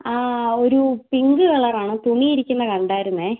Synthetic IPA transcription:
aːoɾupiŋɡɨɣɐɭɐraːɳɨt̪uɳijiɾikʲːunːɐkɐɳɖaːjɾunːe

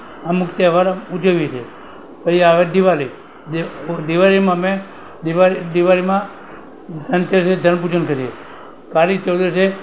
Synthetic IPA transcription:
amʊkt̪ːʋaɾaud͡ʒəʋit͡ʃʰe | pəiaʋed̪iʋaɾi | d̪iʋaɾimãme | d̪iʋad̪iʋaɾimã | d͡ʒʱənt͡ʃəɾsed͡ʒʱənp̬ud͡ʒənkəɾie | kaɾit͡ʃəld̪ɾəse

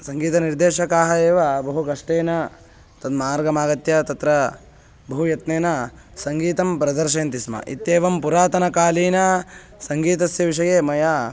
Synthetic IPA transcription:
sɐŋɡiːt̪ɐniɾd̪eːʃɐkaːɦɐeːʋɐbɐɦukɐʂʈeːnɐ | t̪ɐd̪maːɾɡɐmaːɡɐt̪jɐt̪ɐt̪ɾɐ | bɐɦujɐt̪neːnɐ | sɐŋɡiːt̪ɐmpɾɐd̪ɐɾʃ̬eːnt̪ismɐ̰ʔḭt̪jeːʋɐmpuɾaːt̪ɐnɐkaːliːnɐ | sɐŋɡiːt̪ɐsjɐʋiʂɐjeːmɐja

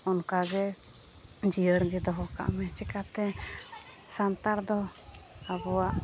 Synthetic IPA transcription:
ɔnkaɡɛ | d͡ʒijəɽɡɛd̪ɔɦɔka̰ʔmɛt͡ʃɛkat̪ɛ | sant̪aɾd̪ɔ | abɔwaʔ

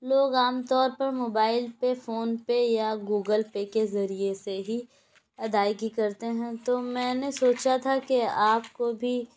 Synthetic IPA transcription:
loːɡaːmt̪ɔːɾpɐɾmoːbaːɪlpefoːnpejaɡuːɡəlpekezɐɾieseɦi | ɐd̪aːkikɐɾt̪eɦɛ̃t̪omɛ̃ːnesoːt͡ʃat̪ʰakeaːpkobʱi

